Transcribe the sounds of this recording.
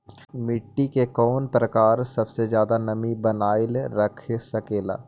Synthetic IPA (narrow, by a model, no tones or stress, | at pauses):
mɪʈːikekɔːnpɾɐkaːɾsɐbsezjaːd̪anɐmibɐnaːɪlɾɐkʰesɐkeːla̰ː